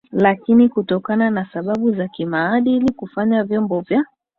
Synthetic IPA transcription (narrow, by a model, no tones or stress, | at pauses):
lakinikutɔkananasaɓaɓuzakimaːɗilikufaɲavjɔmbɔvja